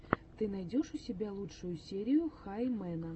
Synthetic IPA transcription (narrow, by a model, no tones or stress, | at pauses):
t̪ɨnɐjdʲoʂʊsʲɪbʲalˠut͡ʂʂʊjʊsʲeɾʲɪjʊxajmɛnə